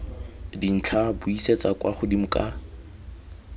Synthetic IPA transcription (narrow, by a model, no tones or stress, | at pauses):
din̩t͡ɬʰabʊiset͡sʼakʼwaχʊdimʊkʼa